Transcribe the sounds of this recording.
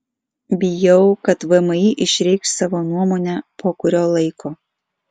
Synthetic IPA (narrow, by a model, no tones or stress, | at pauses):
bʲɪjɛʊkɐt̪ʋɐmɐiʔɪʃʲɾʲɛɪkssɑːʋoːnuɔmoːnʲɛpʰoːkʊɾʲoːlˠɐɪkʰoː